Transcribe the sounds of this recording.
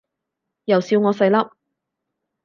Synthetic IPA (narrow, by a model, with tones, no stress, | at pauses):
jɐ˨wsiː˧wŋɔː˨˧sɐ˧jlɐ˥p̚